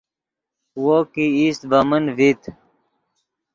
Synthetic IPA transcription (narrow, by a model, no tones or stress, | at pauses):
wokiiːst̪̚bəmənvit̪